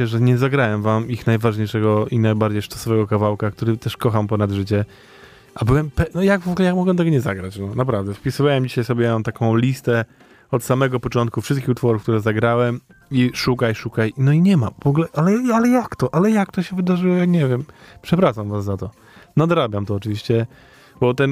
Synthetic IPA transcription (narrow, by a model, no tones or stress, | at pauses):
ɛʐɛɲɛzaɡɾawɛmvamixnajvaʐɲejʂɛɡɔinajbaɾd͡ʑejʂtḁsɔvɛɡɔkavawkak̚t̪uɾɘt̪ɛʂkɔxampɔnad̪ʐɘt͡ɕɛ | ʔabɘwɛmpɛnɔjavɔɡulɛjamɔɡwɛt̪ɛɡɔɲɛza̰ɡɾat͡ɕnɔnapɾavd̪ɛfpʲisɨvawɛmd͡ʑiɕajsɔbʲjɛjaɔ̃t̪akɔ̃w̃lʲist̪ɛ | ɔt̪samɛɡɔpɔt͡ʂɔnt̪̚kufʂɘst̪kʲixut̪fɔɾufk̚t̪uɾɛzaɡɾawɛm | iʂukajʂukajnɔiɲɛmavɔɡlɛʔalɛalɛjakt̪ɔʔalɛjak̚t̪ɔɕɛvɘd̪aʐɨwɔjaɲɛvʲjɛmpʂɛpɾaʂamvasːat̪ɔ | nad̪ɾabʲjamt̪ɔːt͡ʂɨvʲiɕt͡ɕɛ | bɔt̪ɛn